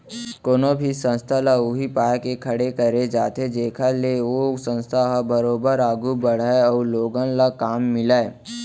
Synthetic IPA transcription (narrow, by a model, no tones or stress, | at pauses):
koːnobʱisə̃nst̪ʰalaʊɦipaːjkekʰɐɽekɐɾed͡ʒaːt̪ed͡ʒeːkʰaleoːsə̃nst̪ʰaɦabəɾoːbəɾaːɡubəɽ̤aeɔːloːɡənlakaːmːɪlae